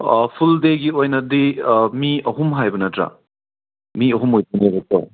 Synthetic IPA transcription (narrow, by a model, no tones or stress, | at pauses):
pʰuldeɡiojnɐdimiɐɦumɦajbɐnɐtɾa̰ | miɐɦumojpunebɐto̰